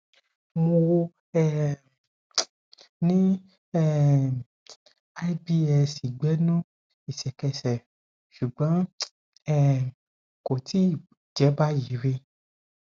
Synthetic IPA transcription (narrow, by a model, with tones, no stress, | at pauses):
mo˧wo˧ | ɛ˦ | nĩ˦ | ɛ˦˨ | a˦i˦bi˦ɛ˧˨si˨ɡ͡bɛ˨˦nũ˦ | i˦˨sɛ˨kɛ˧sɛ˨ | ʃu˨ɡ͡bɔ̃˨˦ | ɛ˦ | ko˨ti˦˨ | d͡ʒɛ˨˦ba˦ji˨˦ɾe˧